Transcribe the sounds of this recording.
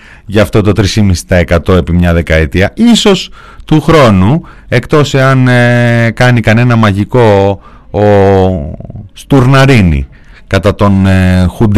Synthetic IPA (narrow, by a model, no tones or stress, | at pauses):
ʝɐft̪o̞t̪o̞t̪ɾisimisi̥t̪ɐe̞kɐt̪o̞e̞pimɲɐðe̞kɐet̪iɐiso̞s | t̪uxɾo̞nu | e̞kt̪o̞se̞ɐn | kɐnikɐne̞nɐmɐʝiko̞ː | st̪uɾnɐɾinḭ | kɐt̪ɐt̪o̞nxund̪